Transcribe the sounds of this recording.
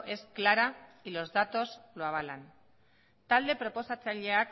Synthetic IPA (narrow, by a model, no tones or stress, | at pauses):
ʔe̞sklaɾailo̞zðat̪o̞zloaβ̞ala̰n | t̪ald̪e̞pɾo̞po̞sat͡saʎe̞ak